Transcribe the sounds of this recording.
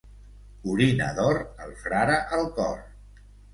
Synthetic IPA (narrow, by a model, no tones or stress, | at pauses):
uɾinə̰ðɔɾəlˠfɾaɾəʔəlˠkɔr